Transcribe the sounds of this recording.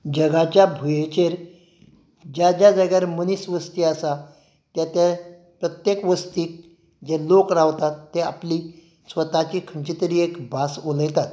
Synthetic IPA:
d͡ʑəɡat͡ɕjabʱujet͡ɕeɾ | d͡ʑad͡ʑad͡zəɡjaɾmənisʋəst̪iasa | t̪jat̪a | pɾət̪jekʋəst̪iːk̚ | d͡ʑelokɾaʋt̪at̪ːea̰pli | sʋət̪at͡ɕikʰəɳt͡ɕit̪əɾiːekbasoləjt̪at̪

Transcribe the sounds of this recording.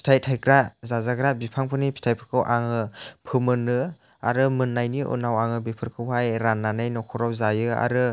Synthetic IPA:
pʰi̥tʰajtʰajkɾazazaɡɾabipʰaŋpʰɯnipʰi̥tʰajpʰɯ̥kʰɯwʔaŋɯpʰɯmɯnɯ | a̰ɾɯmɯnːajniʔɯ̰nawaŋɯbipʰɯɾkʰɯwɦajɾanːanajnɔkʰɔɾawzajɯa̰ɾɯ

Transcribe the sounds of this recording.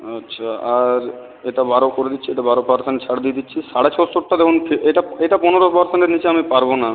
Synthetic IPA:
atːɕʰaaɾ | eʈabaɾokoɾed̪itːʰieʈabaɾopaɾsenʈt͡ɕʰaɽd̪ied̪itːɕʰiʃaɽat͡ɕosoʈːad̪ekʰonpʰeeʈaeʈapɔneɾopɔɾseɳʈeɾnit͡ɕeamipaɾbona

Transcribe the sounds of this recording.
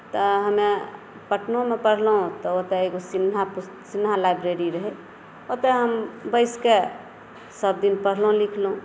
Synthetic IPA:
t̪ɔɦəme | pəʈnomepəɽ̤lɦũt̪ɔot̪eeɡosinɦapus | sinɦalajbɾeɾiɾəɦe | ot̪ɛɦəmbəɪske | səb̚d̪inpəɽ̤lɦũlikʰlɦũ

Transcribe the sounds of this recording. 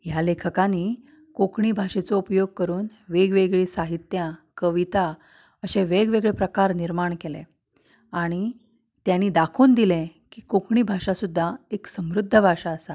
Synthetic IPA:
jalekʰəkani | kokɳiːbʱaʂet͡sɔupjoɡ̚kəɾuːnʋeɡʋeɡɭiːsaɦit̪jakəʋit̪a | əɕeʋeɡʋeɡɭepɾəkaɾniɾmaɳkelḛ | aɽ̃i | t̪janiːd̪akʰuːnd̪ilẽkiːkokɳiːbʱaʂasud̪ʱːaeksəmɾud̪ʱːəbʱaʂaəsa

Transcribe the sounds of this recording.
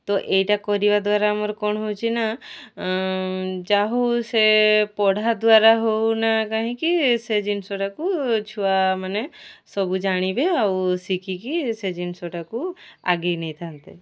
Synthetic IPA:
t̪ɔʔejʈakɔɾibad̪waɾamɔɾkɔɳɦot͡ʃʰina | d͡ʒaɦowsepɔɽ̤ʱad̪waɾaɦownakaɦĩkised͡ʒinsoʈakut͡ʃʰuamanesɔbud͡ʒaɽ̃ibeawsikikised͡ʒinsoʈakua̰ɡinɛjt̪ʰant̪e

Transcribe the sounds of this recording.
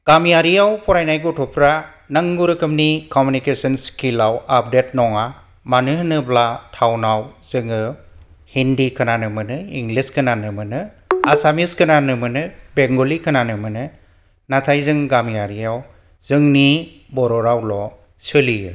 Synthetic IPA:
ɡ̥amijaɾijawpʰɔɾajnajɡutʰɔpʰɾa | naŋɡuɾɯkʰɯmnikɔmunikesɯnskilawap̚detnɔŋa | manɯhnɯblatʰawnawz̥ɯŋɯ | hindikʰɯnanɯmɯnɯiŋɡliskʰɯnanɯmɯnɯ | asamiskɯnanɯmɯnɯbeŋɡolikʰɯnanɯmɯnɯ | natʰajzɯŋɡamijaɾiaw | z̥ɯŋni | bɔɾɔɾawlɔ | sɯlijɯ

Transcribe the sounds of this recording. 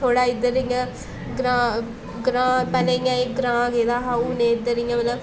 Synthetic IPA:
t̪ʰoːɽaːɪd̪əɾjãː | ɡɾãː | ɡɾãːpɛːlɛ̃ːɪjãːeɡɾãːɡeːd̪aːɦaːuːnẽːɪd̪əɾɪjãːmələ

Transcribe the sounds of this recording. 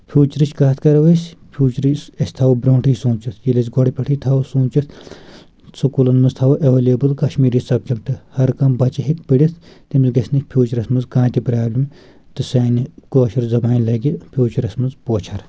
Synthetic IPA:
pʰʲjuːt͡ʃɾit͡ʃkaːt̪ʰkɐɾʋɐsʲpʰjuːt͡ʃɾisɐsʲt̪ʰaːwbɾʲoːɳʈʰijsũːt͡ʃit̪ʰjilɐsɡɔɽipʲɐʈʰit̪ʰaːwsuːt͡ʃit̪ʰ | sukulɐnmɨst̪ʰɐːwuʔɐʋeleːbɨlkɐʃmiːɾisɐb̚d͡ʒɐkt̪ɨhɐɾkɐmbɐt͡ʃɐɦikpiɽʲit̪ʰt̪imzɡɐsʲnikʲpʰjuːt͡ʃɐɾɐsmɨnzkãːt̪ipɾaːblim | t̪ɨsaːnikoːʃɐɾzɐbaːnʲlɐɡipʲʰjuːt͡ʃɐɾɐsmɐnzpoːt͡ʃʰɐɾ

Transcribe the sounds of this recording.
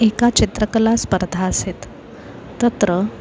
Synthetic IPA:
ekat͡ɕit̪ɾəkəlaspəɾd̪ʱaəset̪ː | ət̪ɾə

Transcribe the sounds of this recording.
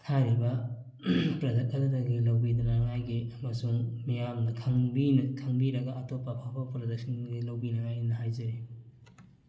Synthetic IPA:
tʰaɾibɐ | pɾɐd͡ʒek̚ɐdɐdɐɡilɐwbid̪ɐnɐŋajɡiɐmɐsuŋmijamnɐkʰɐŋbinɐkʰɐŋbiɾɐɡɐʔɐtopːɐpʰapʰapɾɐdɐk̚sɐnɡilɐwbinɐŋajinɐɦajzɐɾi

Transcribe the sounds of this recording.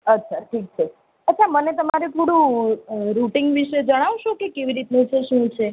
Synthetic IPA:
ətːʃʰaʈʰik̚t͡ʃʰe | ətːʃʰamənet̪əmaɾepuɽũ | ɾuʈiŋɡʋiʃed͡ʒəɽ̃aʋʃokekeʋiɾit̪nũt͡ʃʰeʃũt͡ʃʰe

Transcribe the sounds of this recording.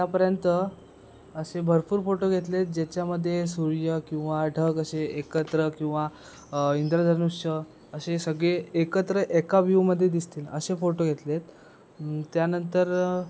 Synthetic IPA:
t̪japəɾjənt̪ə | əsebʱəɾpuːɾfoʈoɡʱet̪let̪̚d͡ʑat͡ɕjaməd̪ʱːjesuɾjəkĩw̃ʋaɖʱəɡəɕeʔekət̪ɾəkĩw̃ʋa | ind̪ɾad̪ʱəɾnuʂɕə | əɕesəɡɭeːkət̪ɾəʔekaʋjuwməd̪ʱːjed̪ist̪iːlə̰ɕefoʈoɡʱet̪let̪ | t̪ːjanənt̪əɾ

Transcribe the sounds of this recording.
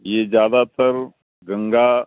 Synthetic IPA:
jeːd͡ʒjaːd̪at̪əɾ | ɡə̃ŋɡaː

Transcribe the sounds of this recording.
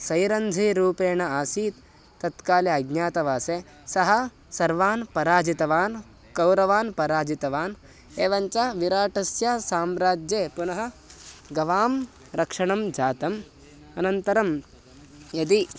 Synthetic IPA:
sɐjɾɐnd̪ʱiɾuːpeːɳɐaːsiːt̪ː | ɐt̪kaːliɐɡɲjaːt̪ɐʋaːseː | sɐɦɐ̆ | sɐɾʋaːnpɐɾaːd͡ʒit̪ɐʋaːn | kɐwɾɐʋaːnpɐɾaːd͡ʒit̪ɐʋaːn | eːʋɐɲt͡ʃɐʋiɾaːʈɐsjasaːmɾaːd͡ʒjeːpunɐɦɐ̆ɡɐʋaːm | ɾɐkʂɐɳɐmd͡ʒaːt̪ɐm | ɐnɐnt̪ɐɾɐm | jɐd̪i

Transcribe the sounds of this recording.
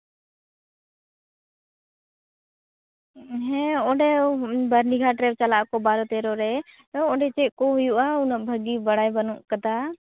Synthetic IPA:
ɦɛ̃ɔɖɛbəɾniɡʱaʈɾɛb̚t͡ʃalaʔkɔbaɾɔt̪ɛɾɔɾɛ | ɔɖɛt͡ʃɛʔ̚kɔɦujuʔaunaʔbʱəɡibaɽajbanɔʔkad̪a

